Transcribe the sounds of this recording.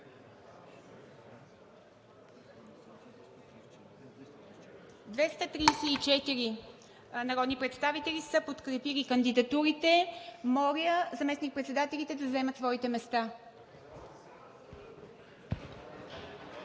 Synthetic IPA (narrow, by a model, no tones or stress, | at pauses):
d̪vɛst̪ət̪ɾiːsɛit͡ʃɛt̪iɾi | nɐɾɔd̪nipɾɛt̪st̪avit̪ɛlisəpot̪kɾɛpilikənd̪id̪ɐt̪uɾit̪ɛmɔlʲjʲəzɐmɛsnik̚pɾɛt̪sɛd̪at̪ɛlʲit̪ɛd̪ɐzɛmət̪svɔit̪ɛmɛst̪a